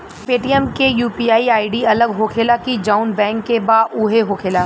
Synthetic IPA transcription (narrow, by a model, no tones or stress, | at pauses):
peːʈiɛmkejuːpiaːiaːiɖiɐləɡɦoːkʰeːlakid͡ʒaːʊnbɛ̃ːŋkːebaːʊɦeɦoːkʰeːlaː